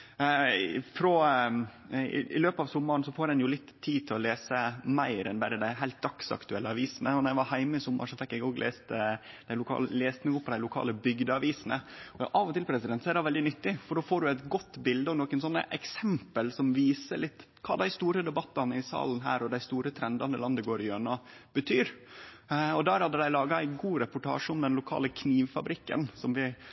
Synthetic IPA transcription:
fɾɔ | ɪ̰ɪ̰løːpɑʋsɔmːɑɾɳsɔfoːɾd̪ɛnjʊlɪt̪ʰːiːt̪ʰɪlɔleːsəmæɪɾɛnbæɾəd̪æɪɦæɪlt̪̚d̪ɑksɑ̰kt̪ʉɛlːəɑʋiːsənəɔnɔɾæɪʋɑɾhæɪməɪsʊmːɑ̰ʂɔfɛkːɛɡoːɡlḛːst̪ | d̪æɪlʊkʰɑ̰ːlleːst̪nuːpʰːɔd̪æɪlʊkʰɑ̰ːləbʏɡd̪əɑʋiːsənəɔʔɑːʋɔt̪ɪlpʰɾɛsɪd̪ɛnt̪sɔæɾɑʋɛld̪ɪnʏt̪ːɪfɔɖoːfoːɖʉæɪt̪ɡɔt̪ːbɪld̪əɔnɔkənsɔnːə̰ʔɛksɛmpəlsɔmʋiːsəɭɪt̪ː | kʰɑ̰ːd̪æɪst̪uːɾəd̪ɛbɑt̪ːɑnəɪsɑ̰ːln̩ɦæ̰ːɾɔd̪æɪst̪uːɾət̪ʰɾɛnd̪ɑnəlɑnd̪əɡoːɾɪjøːɳɑ | b̥ət̪ʰyːɾ | ɔd̪æɾhɑd̪əd̪æɪlɑːɡɑæɪɡuːɾɛpʊʈʰɑ̰ːʂəʊmd̪ɛnlʊkʰɑ̰ːləkʰniːʋfɑ̰bɾɪkːə̰nsɔmʋɪ

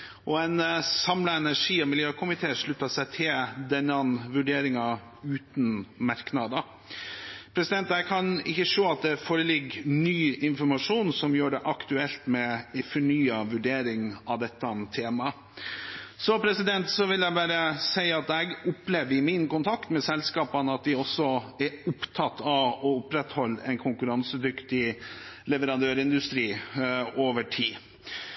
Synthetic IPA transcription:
ɔɛnsɑmlɑɛnæʂiːɔmɪljøːkʰʊmɪt̪ʰeːʂɭʉt̪ːɑsæɪt̪ʰɪld̪ɛnːɑnʋʉɖeːɾɪŋɑ | ʉːt̪n̩mɑɾknɑd̪ə | pʰɾɛsɪd̪ɛnt̪ækʰɑnɪçːəʂoːɑt̪̚d̪ɛfoːɾəlɪɡːnyːɪnfɔɾmɑʂuːnsɔmjøːɖɛʔɑkt̪ʉɛlt̪mɛfɔɳyːɑʋʉɖeːɾɪŋɑʋd̪ɛt̪ːət̪ʰeːmɑ | sɔpʰɾɛsɪd̪ɛnt̪sɔʋɪljæɪbæːɾəsæɪɑt̪ɛɡʊpleːʋɪmɪnkʊnt̪ʰɑkt̪mɛsɛlskɑːpɑnəɑt̪̚d̪ɪɔsːɔɛɾʊpt̪ʰɑt̪ʰːɑʋɔʊpɾɛt̪hɔlːɛ̰ɪnkʰʊŋkʉɾɑnsəd̪ʏkt̪ɪlɛʋəɾɑnd̪øːɾɪnd̪ʉst̪ɾiːoːʋəʈʰiː

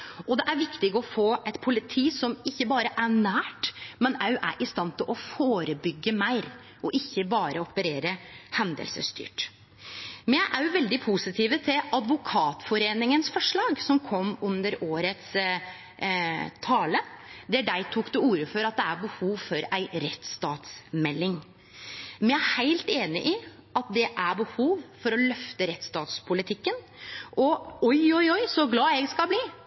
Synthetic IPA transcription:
ʔɔd̪ɛʔæɾʋɪkt̪ɪɡəɔfoːɛɪt̪pʰʊlɪt̪ʰiːsɔmɪçːəbɑːɾəʔæɳæːʈmɛnæʉʔæ̰ɾʔɪst̪ɑnt̪ʰɪlʔɔfoːɾəbʏɡːəmæɪɾ | ʔɔʔɪçːəbɑːɾəɔpəɾeːɾəhɛnd̪ə̰lsəst̪y̰ːʈ | mɛnjæɪʔæɾjʊʋɛld̪ɪpʰusɪt̪ʰiːʋət̪ʰɪlɑd̪ʋʊkʰɑːt̪fɔɾeːnɪŋənsfɔʂɭɑːɡsɔmkʰɔmːʉnd̪əɾoːɾət̪s | t̪ʰɑːləd̪æɖæɪt̪ʰukd̪ʉuːɾəfɔɾɑt̪̚d̪ɛæɾbəhuːʋfɔɾæɪɾɛt̪st̪ɑːt̪smɛlːɪŋ | mɛnæhæɪlt̪eːnɪʔɪ | ʔɑt̪̚d̪ɛʔæbəhuːʋfɔɾɔlœft̪əɾɛt̪st̪ɑːt̪spʰʊlɪt̪ʰɪkːən | ʔɔɔjɔʏɔʏsɔɡlɑːɛɡskɑlbliː

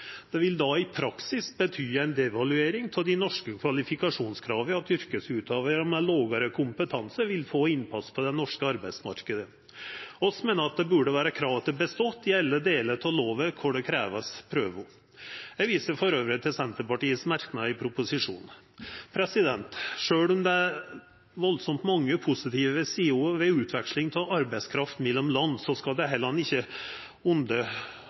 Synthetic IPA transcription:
d̪̥ɛʋɪld̪ɑɪpʰɾɑksɪsbət̪ʰyːæɪnd̪ɛʋɑlʉeːɾɪŋt̪ʰɪld̪ɪnɔʂkəkʰʋɑlɪfɪkɑʂuːnskʰɾɑːʋəɑt̪ʏɾkəsʉːt̪ɑːʋəɾəmɛloːɡəɾəkʰʊmpət̪ʰɑnsəɾʋɪlfoːɪnpʰɑspʰɔd̪ɛnɔʂkəɑɾbæɪsmɑ̰ɾkəd̪ə | ɔsmeːnəɑt̪̚d̪ɛbʉːɖəʋæːɾəkʰɾɑːʋət̪əbəst̪ɔt̪ːɪɛlːəd̪eːlət̪ʰɑloːʋəkʰʊɖɛkʰɾæːʋəspʰɾøːʋʊ | jæʋiːsəɾfɔɾøːʋɾət̪ʰɪlsɛnt̪əɾpɑʈiːəsmæɾknɑɪpʰɾʊpʊsɪʂṵːn | pʰɾɛsɪd̪ɛnt̪ʂøːɭɔmd̪ɛ | ʋɔlsɔmt̪mɑŋːəpʰʊsɪt̪ʰiːʋəʋəsiːuːʋɛʉːt̪ʰʋɛkʂlɪŋt̪ʰɔlɑɾbæɪskʰɾɑft̪mɛlːɔmlɑnːsɔskɑld̪ɛɦɛləhɑnɪçːə | ʊnd̪ə

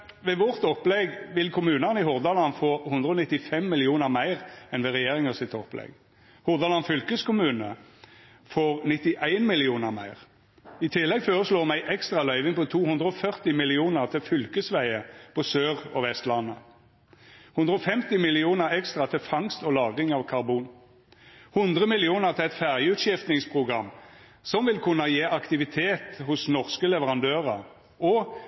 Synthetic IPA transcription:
ʋeːʋɔʁt̪ɔpːlɛɡʋɪlkʰʊmʉːnəʁnɪhʊʁd̪ɑlɑnfoːhʊnd̪ʁəɔnɪt̪ːɪfɛmːɪlɪuːnəʁmæɪʁɛnʋɛʁɛjeːʁɪŋəsɪt̪ɔplɛ̰ɡ | hʊʁd̪ɑlɑnfʏlkəskʊmʉːnə | foːʁnɪt̪ɪʔæɪnmɪlɪuːnəʁmæ̰ɪʁ | ɪt̪ʰɪlːɛɡføːʁəsloːʁmæɪʔɛkst̪ʁɑlœʏʋɪŋpɔt̪ʰuːhʉnd̪ʁəɔfœʁt̪ɪmɪlɪuːnəʁt̪ʰɪlfʏlkəsʋæɪəpʰɔsøːʁɔ̰ʋɛst̪lɑnːə | hʉnd̪ʁəɔfɛmt̪ɪmɪlɪuːnəʁɛkst̪ʁɑt̪ʰɪfɑŋst̪ɔlɑːɡʁɪŋɑːʋkʰɑʁbuːn | hʉnd̪ʁəmɪlɪuːnəʁt̪ʰɪɛt̪fæʁjəʉt̪ʃɪft̪nɪŋspʰʁʊɡʁɑmː | sɔmʋɪlkʰʉnəjeːʔɑkt̪ɪʋɪt̪ʰeːt̪hʊsnɔʁskəlɛʋəʁɑnd̪øːʁə | ɔ

